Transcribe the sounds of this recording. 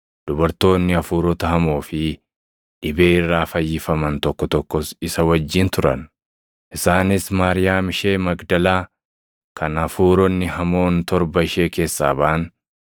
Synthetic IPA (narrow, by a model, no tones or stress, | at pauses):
d̪̥ʊbɐɾt̪o̞ːnːɪɐfuːɾɔt̪ɐhɐmo̞ːfɪ | ᶑɪbe̞ːɪrːaːfɐjːɪfɐmɐnt̪ɔkːɔt̪ɔkːɔsɪsɐwɐd͡ʒːɪnt̪ʊɾɐ̰n | ʔɪsaːnɪsmaːɾɪjaːmɪʃe̞ːmɐɡd̪ɐlaː | kʰɐnɐfuːɾɔnːɪhɐmo̞ːnt̪ɔɾbɐɪʃe̞ːke̞ːsːa̰ːbɐʔɐn